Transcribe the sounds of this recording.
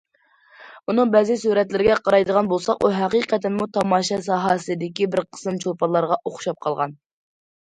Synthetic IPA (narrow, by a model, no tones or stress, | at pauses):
unɨŋbɛzɪsuɾɛt̪lɪɾɪɡʲɛqʰɑɾɑjd̪əʁɑnbolˠsɑquɦæqiqʰɛt̪ɪmut̪ʰɑmɑːʃɛsɑɦɑsɨd̪ɪkʲibɪɾqʰə̥sɨmt͡ʃʰolˠpɑnlːˠɑɾʁɑʔoχʃɑp̚qʰɑlˠʁɑ̰n